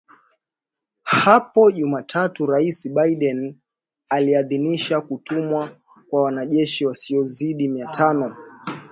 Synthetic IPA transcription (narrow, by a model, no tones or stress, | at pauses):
hapɔʄumatʰatuɾaisiɓaiɗɛn | aliaðiniʃakutumwa | kwawanaʄɛʃiwasiɔziɗimiatʰanɔ